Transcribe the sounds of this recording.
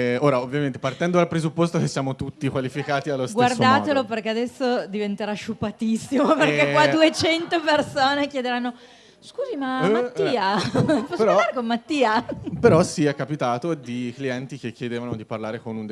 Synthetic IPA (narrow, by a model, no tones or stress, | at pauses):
oːɾaovːjamẽnt̪epart̪ɛnd̪od̪alpɾezupːost̪okesːjaːmot̪ut̪ːikwalifikaːt̪ialːostɡwasrːd̪aːt̪eloperkead̪ɛsːod̪ivent̪eɾaʃupːat̪isːimoperkekwadd̪uet͡ʃɛnt̪opersoːnekjed̪eɾanːo | skuːzimamat̪ːiːapɔsoɾɔd̪aɾekomːat̪ːiːapeɾɔsiɛkːapit̪aːt̪od̪ikliɛnt̪ik̟ekːjed̪eːvanod̪iparlaːɾekonund̪